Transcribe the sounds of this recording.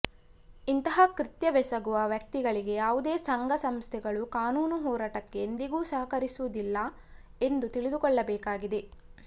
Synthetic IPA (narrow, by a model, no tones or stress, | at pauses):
int̪ɐɦɐkɾit̪jɐʋɛsɐɡuʋɐʋjɐk̚t̪iɡɐɭiɡe̞jaːʋud̪eːsɐŋɡʱɐsɐmst̪ʰɛɡɐɭukaːnuːnuɦɔːɾaːʈɐkːeːnd̪iɡuːsɐɦɐkɐɾisuʋud̪ilːɐ | e̞nd̪ut̪iɭid̪ukɔɭːɐbɛːkaːɡid̪e̞